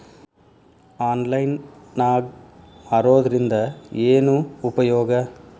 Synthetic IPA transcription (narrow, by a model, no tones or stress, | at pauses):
aːnlɐjnnaːɡaɾoːd̪ɐɾind̪ɐeːnuːpɐjɔːɡɐ